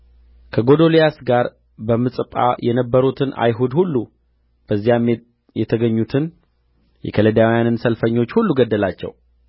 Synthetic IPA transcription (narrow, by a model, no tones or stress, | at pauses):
kʰəɡo̞d̪o̞lijasɡaɾ | bəmɨsʼɨpʼa̰jɛnəbːəɾut̪ʰɨna̰jɦud̪hulːu | b̥əzːijam | jɛt̪ʰəɡəɲːut̪ʰɨn | jɛ̰kʰələd̪awijanɨnsəlfəɲːo̞t͡ʃːhulːuɡəd̪ːəlat͡ʃːɛ̰w